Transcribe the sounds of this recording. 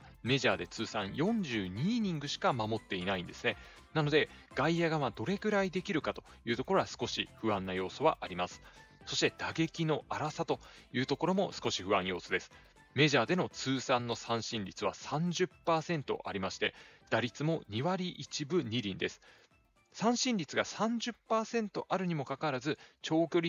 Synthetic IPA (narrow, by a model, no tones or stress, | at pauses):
me̞ʑaːd̪e̞t͡sɨːsãɰ̃jõ̞ɲ̟d͡ʑɨːɲ̟iːɲ̟ĩŋɡɯ̟ɕi̥kamamo̞t̪ːe̞inaĩnd̪e̞sɨne̞ | nano̞d̪e̞ɡ̥aijaɡaβad̪o̞ɾe̞ɡɯ̟ɾaid̪e̞kʲiɾɯ̟kat̪ojɯ̟ːt̪oko̞ɾo̞ɡasɨ̥ko̞ɕiɸɯ̟βãnːajo̞ːso̞βa̰ʔaɾʲimasɨ̥ | so̞ɕi̥t̪e̞d̪̥aɡe̞kʲino̞aɾasat̪o̞jɯ̟ːt̪o̞ko̞ɾo̞mo̞sɨ̥ko̞ɕiɸɯ̟βãɰ̃jo̞ːsod̪e̞sɨ̥ | me̞ʑaːd̪e̞no̞t͡sɨːsãnːo̞sãɰ̃ɕĩnɾʲit͡sɨβa̰sãɲ̟d͡ʑɨpːaːsẽ̞nt̪o̞̰ʔa̰ɾʲimaɕi̥t̪e̞d̪̥aɾʲit͡sɨmo̞ɲ̟iβaɾʲiʔit͡ɕibɯ̟ɲ̟iɾʲĩnd̪e̞sɨ̥ | sãɰ̃ɕĩnɾʲit͡sɨɡasãɲ̟d͡ʑɨpːaːsẽ̞nt̪o̞ʔaɾɯ̟ɲ̟imo̞kakaɾazɨt͡ɕo̞ːkʲo̞ɾʲi